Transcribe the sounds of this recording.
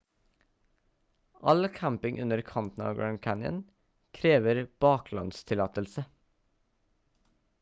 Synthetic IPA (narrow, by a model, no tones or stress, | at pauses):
ʔɑlkʰæmpɪŋʔʉnəɾkʰɑnt̪n̩ɑ̰ːɡɹænkʰænə̰n | kʰɾeːʋəɾb̥ɑːkʰlɑ̰nst̪ʰɪlɑːt̪əlsə